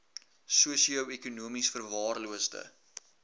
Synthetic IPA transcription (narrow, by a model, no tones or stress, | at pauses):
suəsiəwekunuəmisfərvɑːrluəstə̰